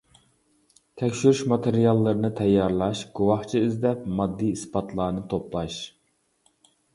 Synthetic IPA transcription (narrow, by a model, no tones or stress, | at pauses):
t̪ʰɛkʲʃyɾyʃmɑt̪ʰeɾijɑlˠːɨɾɨnɨt̪ʰɛjːɑɾlˠɑʃɡ̥uwɑχt͡ʃʰiyzd̪ɛpmɑd̪ːiispɑt̪ʰlˠɑːnɨt̪ʰoplˠɑʃ